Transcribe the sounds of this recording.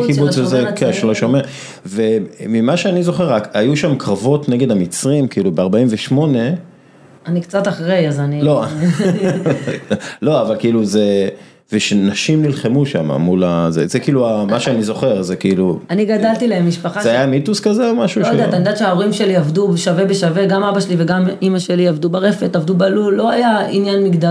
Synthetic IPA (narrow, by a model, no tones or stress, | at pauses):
kibut͡szekʰeʃloʃomeʁ | vemimaʃeanizo̞χeʁakajuʃamkʁavo̞tneɡe̞d̪amit͡sʁimkiilubeaʁbaimveʃmo̞ne̞ | anikt͡sat̪aχʁejazanilo | lo̞avalkiiluze | veʃenaʃimnilχemuʃa̰ma̰mulazḛzekiiːluamaʃeanizo̞χe̞ʁzekiiluaniɡad̪alt̪ilaemːiʃpaχazeajamituskazeomaʃudattanid̪at̪ʃeaoʁimʃe̞liavdubʃave̞beʃave̞ɡamabaʃeliveɡamimaʃe̞liavdubaʁe̞fet̪avd̪ubalulːo̞ajainjanmiɡd̪a